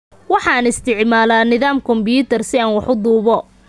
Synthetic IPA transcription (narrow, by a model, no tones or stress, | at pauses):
wɑħɑːnɪst̪ʰɪʕmaːlaːnɪðaːmkʰɔmbjuːt̪ʰɛrsɪaːnwɑħʊd̪uːβɔ